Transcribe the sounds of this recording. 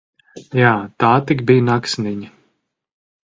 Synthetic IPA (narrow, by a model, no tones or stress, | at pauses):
jaːt̪aːt̪ikbijnaksniɲi